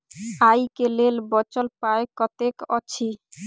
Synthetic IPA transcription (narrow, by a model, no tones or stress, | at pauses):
ajkelelbɔt͡ɕolpaekɔt̪ekɔt͡ɕʰi